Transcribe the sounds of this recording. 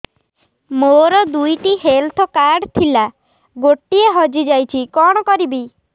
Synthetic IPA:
moɾɔd̪ujʈiɦelt̪ʰɔkaɾɖt̪ʰila | ɡoʈːieɦɔd͡ʒid͡ʒajt͡ʃʰikɔɽ̃ɔkɔɾibi

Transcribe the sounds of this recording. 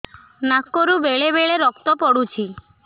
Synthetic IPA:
nakːoɾubeɭebeɭeɾɔkt̪ɔpɔɽut͡ʃʰi

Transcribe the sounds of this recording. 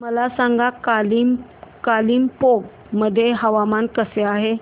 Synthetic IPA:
məlasãŋɡakalimkaliːmpoɡ | məd̪ʱːjeɦəʋamankəseaɦe

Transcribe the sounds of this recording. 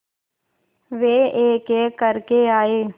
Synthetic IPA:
ʋeːeːkeːkəɾkeaːeː

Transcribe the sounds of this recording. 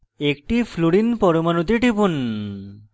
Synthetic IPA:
ekʈifʰluɽinpɔɾomanot̪̬iʈipun

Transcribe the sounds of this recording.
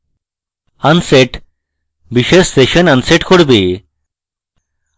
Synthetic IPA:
anseʈ | biʃesseʃənanseʈkoɽbe

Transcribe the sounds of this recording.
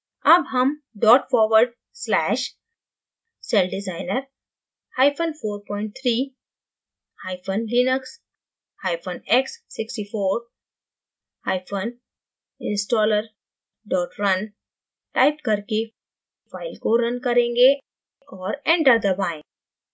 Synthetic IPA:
ɐbɦɐm | ɖɔːʈfɔːɾʋəɾɖ | slɛːʃ | sɛlɖɪzaːɪnəɾ | haːɪpʰonfoːɾpɔːɪ̃ɳʈ̚t̪ʰɾiː | haːɪfʰonlinəks | haːɪpʰənɛksːɪksʈifoːɾ | haːɪfʰon | ɪ̃nsʈɔːləɾ | ɖɔːʈɾɐn | ʈaːɪpkɐɾke | faːɪlkoɾɐ̃nkɐɾẽːŋɡe | ɔːɾɛ̃ɳʈəɾd̪ɐbaːẽ

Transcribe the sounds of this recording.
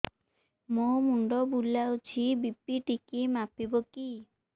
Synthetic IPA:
momuɳɖɔbulawt͡ʃʰibipiʈikemapibɔki

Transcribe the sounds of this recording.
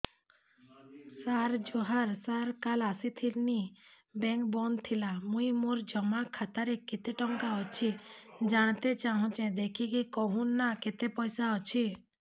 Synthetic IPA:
saɾd͡ʒoɦaɾsaɾkalasit̪ʰilni | bɛ̃ŋkbɔnt̪ʰilamũimoɾd͡ʒɔmakʰːat̪aɾekit̪eʈɔŋkaɔt͡ʃʰid͡ʒaɽ̃t̪et͡ʃaɦɔ̃t͡ʃɛ̃d̪ekʰikikɔɦunːaket̪epɔjsaɔt͡ʃʰi

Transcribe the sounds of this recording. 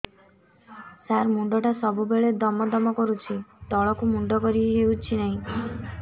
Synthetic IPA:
saɾmuɳɖɔʈasɔbubeɭed̪ɔmɔd̪ɔmɔkɔɾut͡ʃʰit̪ɔɭɔkumuɳɖɔkɔɾiɦeut͡ʃʰinaɦĩ

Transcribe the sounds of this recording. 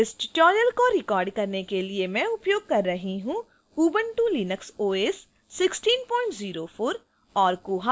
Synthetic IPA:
ɪsʈʈɔːɾijəlkoɾɪkɔːɾɖkɐɾnekeliemɛ̃ʊpjoːɡ̚kɐɾːɐɦĩɦũ | uːbə̃ɳʈuːliːnəksoːeːsː | ɪksʈiːnpɔːɪ̃ɳʈziːɾofʰoːɾ | ɔːɾkuːɦa

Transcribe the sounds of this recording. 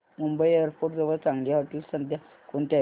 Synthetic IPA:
mumbəjeəɾpʰoɾʈd͡zəʋəɾt͡sãŋɡljaɦoʈ̪ilsənd̪ʱja | koɳt̪ja

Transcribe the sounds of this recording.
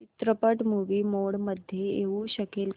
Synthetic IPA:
it̪ɾəpəʈmuʋimoɽməd̪ʱːjeeʋuɕəkel

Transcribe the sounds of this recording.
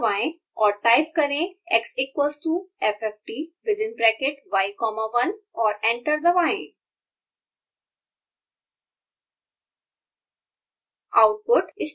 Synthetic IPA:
ʋaẽ | ɔːɾʈaɪp̚kɐɾẽeksɪkʋəlsʈuːefɛfʈiʋɪd̪ɪ̃nbɾɛkeʈʋaɪkɔːmaʋɐnɔːɾɛ̃ɳʈəɾd̪əʋaḛ̃ | aʊʈ̚pʊʈɪs

